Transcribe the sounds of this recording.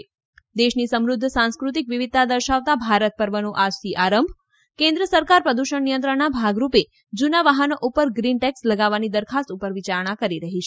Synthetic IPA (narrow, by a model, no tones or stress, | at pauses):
d̪eʃnisəmɾʊd̪ʱːsãnskɾut̪ikʋiʋid̪̚t̪ad̪əɾʃaʋt̪abʱaɾət̪̚pəɾʋənũʔasiʔaɾəmbʱ | kẽnd̪ɾəsəɾkaɾpɾəd̪uʃəɳːijə̃nt̪̬ɾəɳnːabʱaɡɾupe | d͡ʒunaʋaɦənoʔupəɾɡɾinʈɛksləɡaʋːanid̪əɾkʰast̪upəɾʋit͡ʃaɾɳ̃akəɾiɾəɦit͡ʃʰe